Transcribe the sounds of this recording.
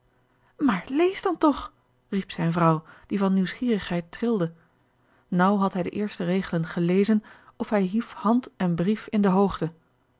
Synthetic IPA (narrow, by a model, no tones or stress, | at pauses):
maːɹlejzdɑntɔχ | ripsɛjnvrʌwd̥ivɑnːiwsχiːrəχɦɛjtrɪlˠdə | nʌwɦɑtɦɛjdəʔɪːɹstərejχələnχəlejzənɔfɦɛjɦifhɑntɛnbrifɪndəɦowχtə